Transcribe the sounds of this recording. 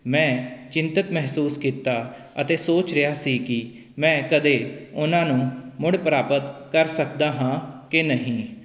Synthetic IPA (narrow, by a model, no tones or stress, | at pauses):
mɛ̃ːt͡ʃɪ̃nt̪ət̪mɛɦsuːskiːt̪ːaː | ət̪eːsoːt͡ʃɾɪjaːsiːkɪ | mɛ̃ːkəd̪eːʊnãːnũːmʊɽpɾaːpət̪kəɾsəkd̪aːɦãːkenəɦĩː